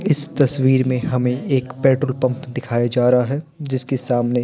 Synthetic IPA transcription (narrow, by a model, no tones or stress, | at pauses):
ɪst̪ɐswiːɾmẽɦɐmẽeːkpɛːʈɾəlpɐ̃mpd̪ɪkʰaːjad͡ʒaːɾɐɦaɦɛd͡ʒɪskesaːmne